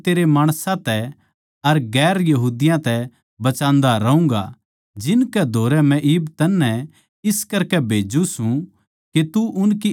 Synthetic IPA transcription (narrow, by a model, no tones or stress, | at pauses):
t̪eːɾemaːɽ̃sãt̪ɛ | ɐɾɡɛːɾjɐɦuːd̪ɪjãt̪ɛ | bɐt͡ʃãːnd̪aɾɐũːŋ̆ɡa̰ | d͡ʒɪnkɛd̪ʱoːɾɛmɛ̃ʔɪbt̪ɐnːɛ̃ | ɪskɐɾkɛbʱeːd͡ʒũsũ | ket̪uʔʊnki